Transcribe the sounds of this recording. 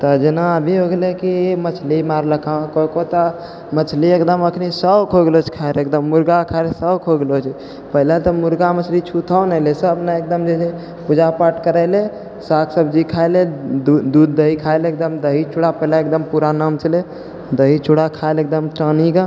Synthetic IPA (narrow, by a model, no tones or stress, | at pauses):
t̪ɔd͡ʒenaəbʱiɦoɡelekimət͡ʃʰlimaɾləkʰãkəkot̪ɔ | mət͡ʃʰliekd̪əməkʰnisəbkʰoɡelot͡ʃʰkʰaeɾekd̪əmːuɾɡakʰalesəbkʰoɡelot͡ʃʰ | pəɦilat̪ɔmuɾɡamət͡ʃʰlit͡ʃʰut̪ʰəwnɛlesəbnaek̚d̪əmd͡ʒese | pud͡ʒapaɾʈkəɾəɪle | sakʰsəbd͡ʒikʰaeled̪ud̪ud̪ːəɦikʰaelek̚d̪əmd̪əɦit͡ʃʰuɽapəɦilaekd̪əmpuɾanamt͡ʃʰəle | d̪əɦit͡ʃʰuɽakʰaelek̚d̪əmʈəniɡa